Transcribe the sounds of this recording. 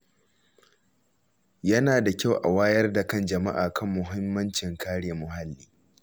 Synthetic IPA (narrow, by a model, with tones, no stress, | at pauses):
jɐ˦naː˨da˨kʲa˦˨wʔa̰˨waː˦jɐ˦rda˨kɐ˦nd͡ʒɐ˨ma˦ʔaː˨kʰɐ˦˨mːʊ˨ɦɪ˦mːɐ˦nt͡ʃɪ˨ŋkʰaː˦ɽeː˨mʊ˨ɦa˦lːiː˦